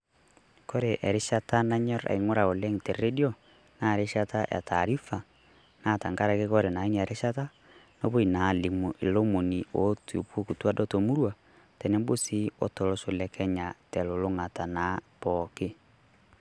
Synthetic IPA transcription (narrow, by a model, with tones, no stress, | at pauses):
ko˦ɾe˨ʔɛ˨ɾe˦ʃa˦ta˦na˦ɲɔ˦ɾa̰˨i˨ŋo˦ɾa˨o˨lɛ˦ŋ˨tɛ˨ɾɾe˦djɔ˦ | na˦˨ɾe˦ʃa˦ta˦ja̰˨tʰa˨ɾi˦fa˨ | na˦˨ta˨ŋɡa˦ɾa˨ke˦kɔ˦ɾe˨na˨i˦ni˨ɛ˨ɾʔe˦ʃa˦ta˦ | no˦βo˦i˨na˨li˨mu˨ʔe˨lo˦mo˨ni˨o˨˦to˨po˦ku˨twa˦dɔ˦to˨mu˦ɾwa˨ | tɛ˨nɛ˦mbo˦si˦ɔ̰˦to˨lo˨˦so˨lɛ˨kʰɛ˦ɲa˨tɛ˨lo˨lo˦ŋa˨ta˨na˨˦pɔke˦